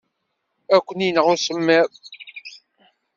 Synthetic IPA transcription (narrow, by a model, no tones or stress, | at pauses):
ækʷːəninəʁʊɾsəmːæɾ